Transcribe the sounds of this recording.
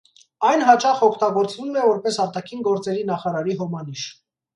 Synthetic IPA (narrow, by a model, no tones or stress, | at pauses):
ɑjnɦɑt͡ʃɑχɔkʰt̪ɑɡɔɾt͡svumɛvɔɾpɛsɑɾt̪ɑkʰinɡɔɾt͡sɛɾinɑχɑɾɑɾiɦɔmɑniʃ